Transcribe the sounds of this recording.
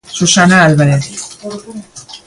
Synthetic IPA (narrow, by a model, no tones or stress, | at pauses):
susanaːlβaɾeθ